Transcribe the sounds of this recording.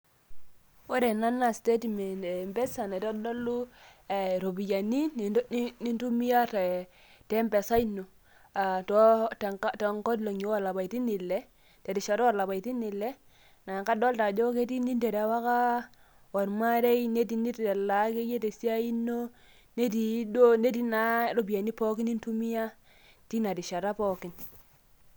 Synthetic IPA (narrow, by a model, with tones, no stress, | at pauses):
wo˦ɾe˨na˦na˨ste˦tme˨ndmbɛ˦sa˨na˨tɔ˦dɔ˦lu˦˨ | ɾo˨bi˨ja˨ni˦˨˦ni˦ntu˦mi˦ja˦te˨ | te˦mbɛ˨sa˦ino˨ | a˨tɔ˦tta˨ŋkɔ˦tlo˨ŋɲi˨˦wa˦˨la˨ba˨i˨ti˦ni˨lɛ˦ | te˨ti˨ʃa˨ɾa˨la˨ba˨i˨ti˦ni˨le˦ | na˨ka˦dɔ˦lta˨d͡ʒo˦ke˦ti˦ni˦nde˨ɾe˨˦wa˦ka˦ | wa˨ɾma˦ɾe˦jne˦ti˨ni˦te˨la˨ke˦je˦te˨si˦a˦i˦nːo˦ | ne˦ti˨do˦ne˦ti˦na˨˦ɾo˦bi˨a˨ni˦po˦ki˦ni˦ntu˦mi˦ja˦ | ti˦na˨di˨ʃa˨ɾa˦pɔ˦ki˨n